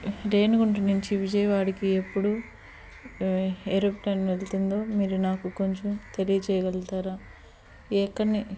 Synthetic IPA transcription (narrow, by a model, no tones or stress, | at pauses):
ɾeːnɡuɳʈinuɲt͡ʃiʋid͡ʒɐjɐʋaːɽikiepːuɽu | eɾopʈɐnʋelt̪und̪o̞ːmiːɾunaːkuko̞ɲt͡ʃomt̪e̞lijɐt͡ʃɛːjɐʋɛlt̪aːɾaː | ɛkːɐni